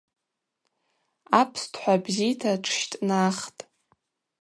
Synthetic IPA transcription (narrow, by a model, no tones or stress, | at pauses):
apʰstʰħʷabzijtʰaʈ͡ʂʰʃtʼnaχtʼ